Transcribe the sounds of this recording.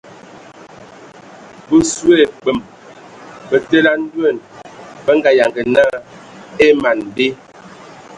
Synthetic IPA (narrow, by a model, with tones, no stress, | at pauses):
bə˦su˦e˦˨k͡pə˨m | bə˨te˦la˦n̩˦dwe˦˨nbə˦ŋ˦ɡa˨ja˨ŋɡə˨na˦ | e˦ma˨nbe˦